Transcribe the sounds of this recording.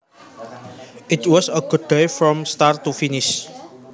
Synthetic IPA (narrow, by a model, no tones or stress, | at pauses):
ʔɪt̪wɔsəɡ̥ʊd̚dejfɾɔ̃mst̪art̪ufinɪs